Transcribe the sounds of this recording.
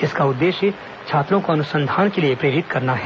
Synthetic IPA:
ɪskaʊd̪ːeːʃjə | t͡ʃʰaːt̪ɾõkoɐnʊsə̃nd̪ʱaːnkeliepɾeːɾɪt̪kɐɾnaɦɛː

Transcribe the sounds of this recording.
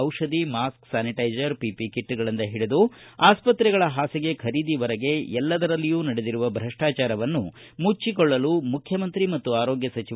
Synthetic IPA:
ɐwʂɐd̪imaːsksaːniʈɐjd͡ʒɐɾpipikiʈːuɡɐɭɐnd̪ɐɦiɽed̪uaːspɐt̪ɾɛɡɐɭɐɦaːsiɡe̞kʰɐɾiːd̪iʋɐɾɐɡe̞ɛlːɐd̪ɐɾɐlːijuːnɐɽed̪iɾuʋɐbʱɾɐʂʈaːt͡ʃaːɾɐʋɐnːu | mut͡ʃːikɔɭːɐlumukʰjɐmɐnt̪ɾimɐt̪ːuaːɾoːɡjɐsɐt͡ʃi

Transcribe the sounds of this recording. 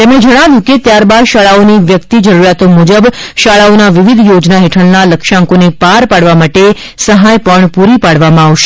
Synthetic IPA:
t̪emɽ̃ed͡ʒəɽ̃aʋjũket̪jaɾbad̪ʃaɭaoniʋjəkt̪id͡ʒəɾuɾjat̪omud͡ʒəbʃaɭaonaʋɪʋid̪ʱjod͡ʒnaɦeʈʰəɭnaləkʃãŋkonepaɾpaɽʋamaʈe | səɦajpəɳpuɾipaɽʋamãaʋʃe̥

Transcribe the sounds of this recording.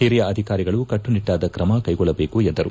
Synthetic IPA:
hiɾijɐʔɐd̪ʱikaːɾiɡɐɭukɐʈːuniʈːaːd̪ɐkɾɐmɐkɐjɡɔɭːɐbe̞ːkuɛnd̪ɐɾṵ

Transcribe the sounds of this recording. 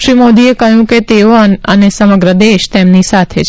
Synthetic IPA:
ʃɾimod̪iekəjũket̪eoəənesəməɡɾəd̪eʃt̪emnisat̪ʰet͡ʃʰ

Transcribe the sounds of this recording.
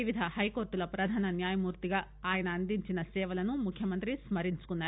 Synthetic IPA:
iʋid̪ʱɐhɐjko̞ːɾʈulɐpɾɐd̪ʱaːnɐnjaːjɐmuːɾt̪iɡaː | aːjɐnɐːnd̪iɲt͡ʃinɐsɛːʋɐlɐnumukʰjɐmɐnt̪ɾismɐɾiɲt͡ʃu̥kunːaː

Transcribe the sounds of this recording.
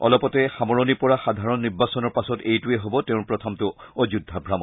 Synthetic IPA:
ɔ̰lɔpɔtɛxamɔɹɔnipɔɹaxadʱaɹɔnːiɹbasɔnɔɹpasɔtejtuɛɦobɔteʊ̃pɹɔtʰɔmtʊɔd͡ʑudʱːabʱɹamɔ

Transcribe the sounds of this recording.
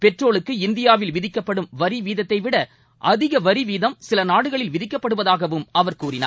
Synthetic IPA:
pɛʈroːɭɯkːɯɪnd̪ɪjaːʋɪlʋɪðɪkːɐpːɐɽɯmʋɐɾiʋiːðɐt̪ːɐɪʋɪɽɐ | ʔɐðɪɣɐʋɐɾiʋiːðɐmsɪlɐnaːɽɯɣɐɭɪlʋɪðɪkːɐpːɐɽɯʋɐðaːɣɐʋɯmɐʋɐɾkuːɾɪna̰ː

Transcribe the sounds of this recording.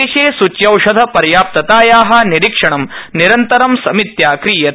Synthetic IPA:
eʃeːsut͡ʃjɐwʂɐd̪ʱɐpɐɾjaːp̚t̪ɐt̪aːjaːɦɐ̆niɾikʂɐɳ̃ɐmniɾɐnt̪ɐɾɐmsɐmit̪jaːkɾiːjɐt̪

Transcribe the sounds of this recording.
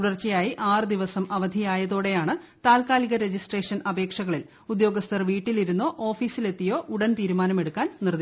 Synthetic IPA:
uɽɐrt͡ɕːɐjaːjiʔaːrɨd̪iʋɐsɐmɐʋɐd̪ʱijaːjɐðoːɽe̞jaːɳɨt̪aːlkaːliɣɐɾe̞d͡ʑisʈreːʂɐnɐbe̞ːkʂɐɣɐɭil | ud̪jo̞ːɡɐst̪ʰɐrʋiːʈːiliɾunːoːʔoːfiːsile̞t̪ːijo̞ːʔuɽɐnt̪iːɾumaːnɐme̞ɽukːaːnnird̪i

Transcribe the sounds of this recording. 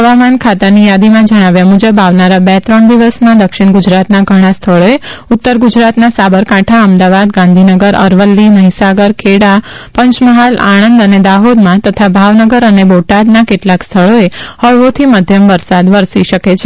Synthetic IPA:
ɦəʋamankʰat̪anijad̪imãd͡ʒəɽ̃aʋjamud͡ʒəbaʋnaɾabɛt̪ɾəɳd̪iʋəsmãd̪əkʃɪɳ̃ɡud͡ʒɾat̪naɡʱəɽ̃ãst̪ʰəɭoeʊt̪ːəɾɡud͡ʒɾat̪nasabəɾkãʈʰaəmd̪aʋad̪ɡãnd̪ʱinəɡəɾə̰ɾʋəlːiməɦisaɡəɾkʰeɽa | pəɲt͡ʃməɦala̰ɽənd̪əned̪aɦod̪mãt̪ət̪ʰabʱaʋnəɡəɾəneboʈad̪nakeʈlakst̪ʰəɭoehəɭʋot̪ʰiməd̪ʱjəmʋəɾsad̪ʋəɾsiʃəket͡ʃʰe

